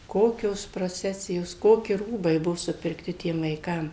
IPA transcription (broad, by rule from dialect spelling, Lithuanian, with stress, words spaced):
ˈkoːkʲoːs proːˈt͡sʲæːsʲɪjoːs ˈkoːkʲɪ ˈruːbɐɪ ˈbʊʋoː sʊpʲɪrkˈtʲɪ ˈtʲiɛm ʋɐɪˈkɐm